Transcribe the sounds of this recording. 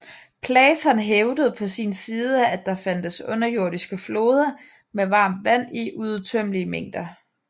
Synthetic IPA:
pʰlɛːt͡sʰɒ̽nɦeʊd̥əð̩ˠpʰɒ̽sinsiːð̞ˠəæd̥ɑ̈fænd̥əsɔ̽nɐjo̝ɐ̰ɾ̥isɡ̥əflo̝ːð̞ˠɐ | meʋɑ̈ːmd̥ʋæn̰iʔuðˠt͡sʰøm̰liəmeŋ̰d̥ɐ

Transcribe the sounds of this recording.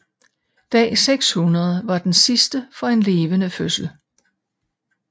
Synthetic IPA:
d̥ɛ̰ːseɡ̥shunɐð̞ˠəʋɑ̈d̥ensisd̥əfɒ̽e̝nle̝ːʋənəføsl̩

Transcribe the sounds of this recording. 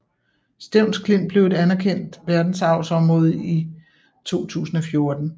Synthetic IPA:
sd̥eʊ̰nskʰle̝m̰b̥le̝ʊe̝dænæɐkʰen̰d̥ʋæɐd̥n̩sɑ̈ʊsɒ̽mʁɔ̽ːð̞̩ˠi | t͡sʰo̝̰ːt͡sʰṵːsn̩ɒ̽fjo̝ɐd̥n̩

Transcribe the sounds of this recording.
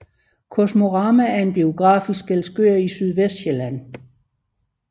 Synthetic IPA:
kʰosmo̝ʁɑ̈ːmææɐe̝nb̥io̝ɡ̥ʁɑ̰̈ːfisɡ̥elsɡ̥øɐisyð̞ˠʋesd̥ɕelæn̰

